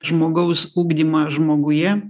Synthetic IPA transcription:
ʒmoːɡɐʊsuːɡd̪ʲimɑʒmoːɡʊjɛ

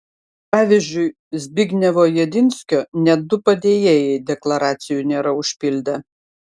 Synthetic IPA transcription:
pɑːʋʲɪzʲd͡ʒʲʊɪ | zʲbʲɪɡʲnʲɛʋoːjɛd̪ʲɪnʲsʲkʲoːnʲɛd̪ʊpɐd̪ʲeːjeːjɛɪd̪ʲɛklˠɐɾɑːt̪sʲɪjunʲeːɾɐʊʃʲpʲɪlʲd̪ʲɐ

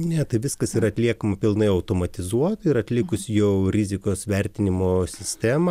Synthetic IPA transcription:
nʲɛt̪ɐɪʋʲɪskɐsiːɾɐt̪ʲlʲiɛkɐmɐpʲɪlˠnɐɪɐʊt̪oːmɐt̪ʲɪzuɔt̪ɪɾɐt̪ʲlʲɪkʊsʲjɛʊɾʲɪzʲɪkoːsʋʲɛrʲt̪ʲɪnʲɪmoːsʲɪsʲt̪ʲæːmɐ

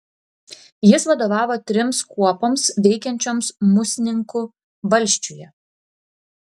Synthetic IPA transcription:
jɪsʋɐd̪oːʋɑːʋoːt̪ʲɾʲɪmskuɔpomsʋʲɛɪkʲɛnʲt͡ʃʲoːmsmʊsʲɪnʲɪŋkʊ | ʋɐlʲsʲt͡ʃʲujɛ

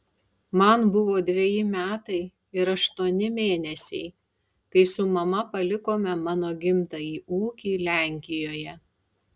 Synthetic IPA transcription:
mɐnbʊʋoːd̪ʲʋʲeɛjɪmʲæːt̪ɐɪ | ɪɾɐʃt̪uɔnʲɪmʲeːnʲɛsʲɛɪ | kɐɪsʊmɐmɐpɐlʲɪkoːmʲɛmɑːnoːɡʲɪmt̪ɐiːuːkʲiːlʲæˑŋʲkʲɪjoːjɛ

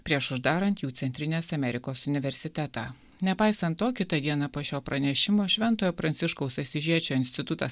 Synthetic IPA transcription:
pʲɾʲiɛʃʊʒd̪ɑːɾɐnt̪juːt̪ʲɛnʲt̪ʲɾʲɪnʲeːsɐmʲɛɾʲɪkoːsʊnʲɪʋʲɛɾʲsʲɪt̪ʲæt̪ɑː | nʲɛpɑɪsɐnt̪ːoːkʲɪt̪ɐd̪ʲiɛnɑːpoːʃʲoːpɾɐnʲɛʃʲɪmoːʃʲʋʲɛnˑt̪oːjoːpɾɐnʲtsʲɪʃkɔʊsɐsʲɪʒʲiɛt͡ʃʲoːɪnʲsʲt̪ʲɪt̪ʊt̪ɐs

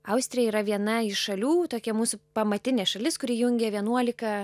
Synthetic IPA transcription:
ɐʊsʲt̪ʲɾʲɪjɛiːɾɐʋʲiɛnɐɪʃʃɐlʲuːt̪oːkʲɛmuːsʊpɐmɐt̪ʲɪnʲeɛʃɐlʲɪskʊɾʲiːjʊŋʲɡʲeʋʲiɛnuɔlʲɪkɐ

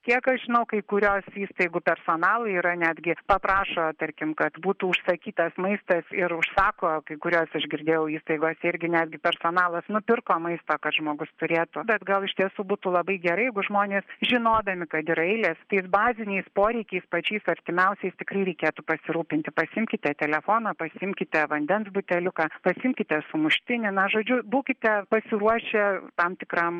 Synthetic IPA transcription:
kʲiɛkɐʃʒʲɪnɐʊkɐɪkʊɾʲoːsiːst̪ɐɪɡʊpʲɛrsoːnɑːlˠɐiːɾɐnʲæːd̪ʲɡʲɪpɐpɾɑːʃoːt̪ɐɾʲkʲɪmkɐt̪buːt̪uːʊʃsɐkʲiːt̪ɐsmɐɪst̪ɐsɪɾʊʃsɑːkoːkɐɪkʊɾʲoːsɐʒɡʲɪɾʲd̪ʲeːjɛʊiːst̪ɐɪɡoːsɪɾʲɡʲɪnʲæːd̪ʲɡʲɪpʲɛrsoːnɑːlˠɐsnʊpʲɪrkoːmɐɪst̪oːkɐt̪ʒmoːɡʊst̪ʊɾʲeːt̪ʊbʲɛt̪ɡɐlˠɪʃʲt̪ʲiɛsuːbuːt̪uːlˠɐbɐɪɡʲɛɾɐɪjɛɡʊʒmoːnʲeːsʒʲɪnoːd̪ɐmʲɪkɐt̪ɪɾɐɪlʲeːst̪ɐɪsbɑːzʲɪnʲɛɪspoːɾʲɛɪkʲɛɪspɐt͡ʃʲɛɪsɐɾʲt̪ʲɪmʲɛʊsʲɛɪst̪ʲɪkrɐɪɾʲɛɪkʲeːt̪ʊpɐsʲɪɾuːpʲɪnʲt̪ʲɪpɐsʲɪɪmʲkʲɪt̪ʲɛt̪ʲɛlʲɛfoːnɐːpɐsʲɪɪmʲkʲɪt̪ʲɛʋɐnʲd̪ʲɛnsbʊt̪ʲɛlʲʊkɑpɐsʲɪɪmʲkʲɪt̪ʲɛsʊmʊʃʲt̪ʲɪnʲɪnɐʒoːd͡ʒʲʊbuːkʲɪt̪ʲɛpɐsʲɪɾuɔʃʲet̪ɐmt̪ʲɪkrɐm

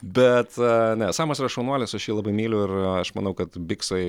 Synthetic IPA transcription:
bʲɛt̪nʲɛsɑːmoːsʲɪɾɐʃɐʊnuɔlʲɪsɐʃjiɛlˠɑbɐɪmʲiːlʲʊɪrɐʃmɐnɐʊkɐt̪bʲɪksɐɪ

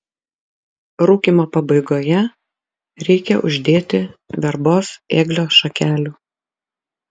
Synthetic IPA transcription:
ɾuːkʲimoːpɐbɐɪɡoːjɛ | ɾʲɛɪkʲɛʔʊ̰ʒʲd̪ʲeːt̪ʲɪʋʲɛɾboːseːɡlʲoːʃɐkʲæːlʲuː

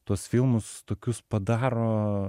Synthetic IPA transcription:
t̪uɔsfʲɪlˠmʊst̪oːkʲʊspɐd̪ɑːɾoː

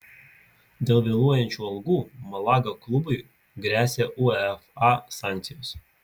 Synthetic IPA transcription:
d̪ʲeːlˠʋʲeːlˠuɔjɛnʲt͡ʃʲuːɐlˠɡuːmɐlˠɑːɡɐklˠʊbʊɪ | ɡɾʲæːsʲeːʔuɛfɑsɑˑŋʲkʲt̪sʲɪjos

